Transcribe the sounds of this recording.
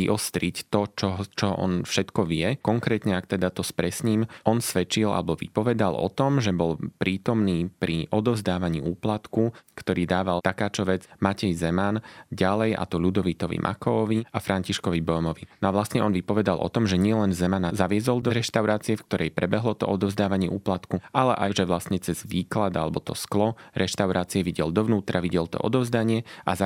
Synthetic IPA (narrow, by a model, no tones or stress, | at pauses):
iʔɔst̪ɾict̪ɔt͡ʃɔɦt͡ʃɔʔɔ̰nfʃɛt̪kɔʋɪɛkɔŋkɾɛːt̪ɲɛakt̪ɛd̪at̪ɔspɾɛsɲiːmʔɔnsʋɛt͡ʃila̰lɛbɔʋḭpɔʋɛd̪alʔɔ̰t̪ɔmʒɛbɔlpɾiːt̪ɔmniːpɾiʔɔd̪ɔvzd̪aːʋaɲiːʔuːplat̪kukt̪ɔɾiːd̪aːʋalt̪akaːt͡ʃɔʋɛd͡zmacɛjzɛmanɟalɛja̰t̪ɔʎud̪ɔʋit̪ɔʋḭmʔa̰kɔɔʋiafɾaɲciʃkɔʋibɔmɔʋinɔaʋlastɲɛɔnʋipɔʋɛd̪alʔɔ̰t̪ɔmʒɛɲɪɛlɛnzɛmanazaʋɪɛzɔlˠd̪ɔɾɛʃt̪aʊɾaːt͡siɛfk̚t̪ɔɾʔɛjpɾɛbɛɦlɔt̪ɔ̰ʔɔd̪ɔʊzd̪aːʋaɲɪɛʔuːplat̪kualɛ̰ʔaʒɛʋlast̪ɲɛt͡sɛzʋiːklad̪alɛbɔt̪ɔsklɔɾɛʃt̪aʊɾaːt͡siɛʋiɟɛld̪ɔʋnuːt̪ɾaʋiɟɛlt̪ɔ̰ʔɔ̰d̪ɔʊzd̪aɲɪɛʔa̰za